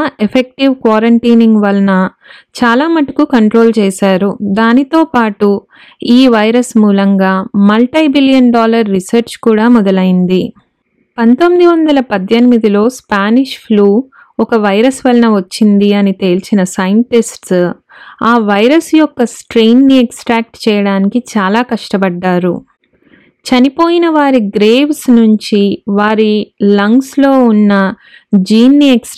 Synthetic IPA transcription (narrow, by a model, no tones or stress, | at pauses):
epʰek̚ʈiʋkʋaːɾɐɳʈiːniŋɡʋɐlɐnɐ | t͡ʃaːlaːmɐʈɐ̥kukɐɳʈɾo̞ːlt͡ʃɛːʃaːɾud̪aːnit̪o̞ːpaːʈu | iːʋɐjɾɐsmuːlɐŋɡaːmɐlʈɐjbiljɐnɖaːlɐɾːisɐɾt͡ʃkuːɽaːmɔd̪ɐlɐjind̪i | pɐnt̪o̞mːid̪iʋɐnd̪ɐlɐpɐd̪ʱjenimid̪ilo̞ːspaːniʂpʰluː | ɔkɐʋɐjɾɐsʋɐlɐnɐʋɐt͡ʃːind̪iɐnit̪e̞ːlt͡ʃinɐsɐjɳʈisʈs | aːʋɐjɾɐsjɔkːɐsʈɾeːnːieksʈɾaːk̚ʈt͡ʃɛːjɐɽaːnikit͡ʃaːlaːkɐʂʈɐbɐɖːaːɾṵ | t͡ʃɐnipo̞ːjinɐʋaːɾiɡɾeːʋsnuɲt͡ʃiʋaːɾilɐŋɡslo̞ːunːɐ | d͡ʒiːnːieks